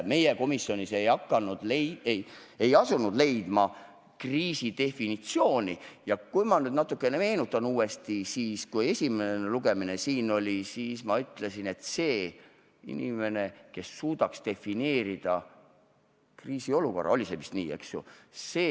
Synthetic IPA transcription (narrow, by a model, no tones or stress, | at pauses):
me̞jeko̞misjo̞nʲise̞jɑkːˑɑnud̪̥leejejɑsunud̪̥le̞jd̪̥mɑ | kriːsid̪e̞finit̪sio̞ːnʲijɑkujmɑnyːd̪nɑt̪ːˑukːˑe̞ne̞me̞ːnut̪ːˑɑnuːe̞st̪isiːskuje̞sʲimeneluɡ̥e̞minesiːno̞lʲisiːsmɑyt̪ːˑle̞sine̞t̪se̞ː | ḭnime̞ne̞ke̞sːuːd̪̥ɑkst̪e̞fine̞ːɾid̪̥ɑ | kriːsio̞luko̞rːʔɑ̰olʲisemist̪nḭːe̞̰ksjṵseː